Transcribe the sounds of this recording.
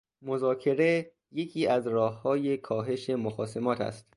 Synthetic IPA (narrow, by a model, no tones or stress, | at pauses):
mozɒːcʰe̞ɾe̞ | je̞cʰiːæzɾɒːhːɒːje̞kʰɒːɦe̞ʃe̞moxɒːse̞mɒːt̪ʰæ̰st̪